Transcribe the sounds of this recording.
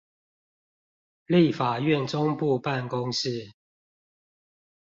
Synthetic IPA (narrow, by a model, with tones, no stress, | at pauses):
li˥˨fa˨˩ɥɛ˥˨nʈ͡ʂʊ˦ŋpu˥˧pa˥˨nkʊ˦ŋs̩˥˦